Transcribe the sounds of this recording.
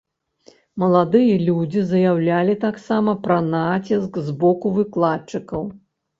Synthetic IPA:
mɐlˠad̪ɨjɐlʲud͡zʲizɐjawlʲalʲit̪aksamɐpɾɐnat͡sʲiskzbɔkuvɨklˠat͡ʂɨkɐw

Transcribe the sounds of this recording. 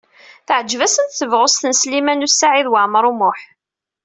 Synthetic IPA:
θəʕəd͡ʒːvæsənθθəvʁʊst̪ənslimænusaʕiðwaʕməɾˤumʊħ

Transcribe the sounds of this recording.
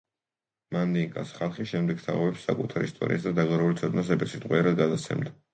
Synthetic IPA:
mand̪iŋkʼa̰sχalˠχiʃɛmd̪ɛɡ̚t̪ʰaʁɔbɛpsːa̰kʼut̪ʰaɾḭst̪ʼɔ̰ɾḭasd̪ad̪aɡaɾɛulit̪sʰɔd̪nas̬ɛbɛɾsit̪ʼqʼwiɛɾad̪ɡad̪at̪sʰɛ̰md̪a

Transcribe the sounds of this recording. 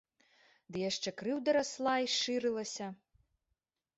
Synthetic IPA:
d̪ɨjaʂt͡ʂɛkɾɨwd̪ɐɾaslˠaiʂɨɾɨlˠɐsʲɐ

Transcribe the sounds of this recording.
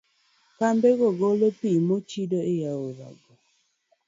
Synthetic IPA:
kambeɡoɡolopimot͡ʃidoejaoɾa̰ɡɔ

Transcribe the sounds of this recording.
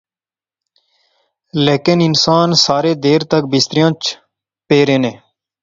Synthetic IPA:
leːkɪnɪnsaːnsaːɾeːd̪eːɾt̪ək̚bɪst̪ɾɪjãːt͡ʃ | peːɾẽːneː

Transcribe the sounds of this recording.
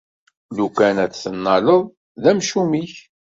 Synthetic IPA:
lukænæt͡sθənːɑləðˤ | ðæmʃumiç

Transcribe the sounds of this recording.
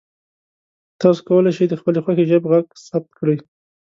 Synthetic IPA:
t̪ɑso̥kawəlajʃəjd̪əxpəlexwaxeʒəbɣaɡsab̚t̪kɽaj

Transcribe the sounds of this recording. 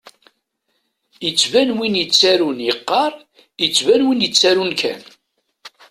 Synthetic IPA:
jət͡sːvænwinjət͡sːæɾunjəqːɑɾˤ | jət͡sːvænwinjət͡sːæɾunkʰæ̰n

